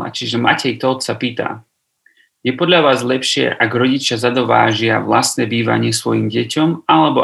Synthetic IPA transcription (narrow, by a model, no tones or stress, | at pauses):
a̰t͡ʃiʒɛma̰cɛjt̪ɔlt̪sapiːt̪a̰ | jɛpɔd̪ʎaʋaːzlɛpʃɪɛ̰ʔaɡɾɔɟit͡ʃɪazad̪ɔʋa̰ːʒɪaʋlast̪nɛbiːʋa̰ɲɪɛsʋɔjimɟɛcɔmalɛbɔ